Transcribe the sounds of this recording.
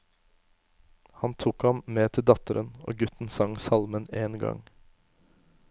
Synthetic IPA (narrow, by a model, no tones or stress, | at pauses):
hɑnt̪ʰuːkhɑmmeːt̪ʰɪld̪ɑt̪əɾəno̰ːɡʉt̪n̩sɑŋsɑlməneːnɡɑ̰ŋ